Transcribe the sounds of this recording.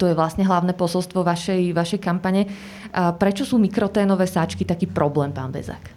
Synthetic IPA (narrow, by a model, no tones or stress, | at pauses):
t̪ɔjɛʋlasɲɛɦlaʊnɛːpɔsɔlst̪ʋɔʋaʃɛjʋaʃɛjkampaɲɛ | pɾɛt͡ʃɔsuːmikɾɔt̪ɛːnɔʋɛːsat͡ʃkit̪akiːpɾʔɔblɛːmpa̰ːnbɛ̰za̰k